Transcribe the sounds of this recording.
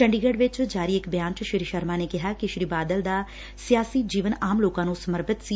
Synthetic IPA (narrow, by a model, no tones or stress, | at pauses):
t͡ʃəɳɖiːɡeːɖʋɪt͡ʃd͡ʒaːɾiːɪkbjãːɲt͡ʃʃɪɾiʃəɾmãːneːkɪɦaːkɪʃɾiːbaːd̪əld̪aː | sɪjaːsiːd͡ʒiːʋənaːmloːkãːnũːsəməɾbət̪siː